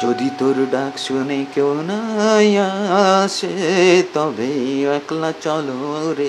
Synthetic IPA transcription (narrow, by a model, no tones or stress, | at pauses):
d͡ʒod̪it̪oɾɖaksunekewnajaset̪ɔbeɛklat͡ʃɔloɾe